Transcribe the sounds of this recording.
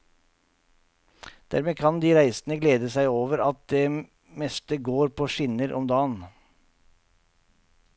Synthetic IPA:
d̪̥æ̰ːɾmeːkʰɑnd̪iːɾæɪsn̩əɡleːd̪əsæɪoːʋəɾɑt̪̚d̪eː | mɛst̪əɡoːɾpʰoːʃɪnəɾʔɔ̰md̪ɑːən

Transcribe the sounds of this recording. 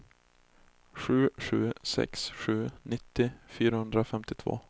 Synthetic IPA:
ɧʉ̟ːɧʉ̟ːsɛ̰ksɧʉ̟ːnɪt̪ːɪfyːɾahɵnd̪ɾafɛmt̪ɪt̪ʰvo̰ː

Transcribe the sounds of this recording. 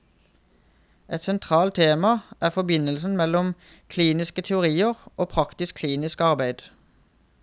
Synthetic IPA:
ʔɛt̪sɛnt̪ʰʁɑːlt̪ʰeːmɑʔæːʁfɔbɪnəlsn̩mɛlɔm | kʰliːnɪskət̪ʰɛʊʁiːəʁʔoːpʰʁɑkt̪ɪskʰliːnɪskɑʁbæɪd̪̥

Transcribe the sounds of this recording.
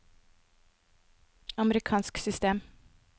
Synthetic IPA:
ɑməɾɪkʰɑːnsksʏst̪eːm

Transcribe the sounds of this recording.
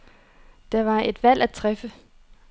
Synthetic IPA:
d̥ɑ̈ʋɑ̈e̝d̥ʋæl̰æt͡sʰʁɛfə

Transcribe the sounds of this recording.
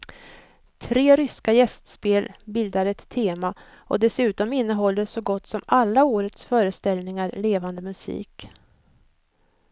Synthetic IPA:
t̪ʰɾeːɾʏskajɛst̪speːlbɪld̪aɾɛt̪ʰːeːma | ʔɔd̪ɛsʉ̟ːt̪ɔmɪnːəɦɔlːəʂɔɡɔt̪ːsɔmalːaoːɾət̪sfœːɾəst̪ɛlnɪŋaɾleːvand̪əmɵsḭːk

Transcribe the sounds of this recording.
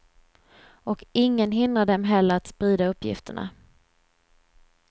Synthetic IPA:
ɔkɪŋːənɦɪnd̪ɾad̪ɛmɦɛlːəɾat̪spɾiːd̪aɵpːjɪ̰ft̪əɳa̰

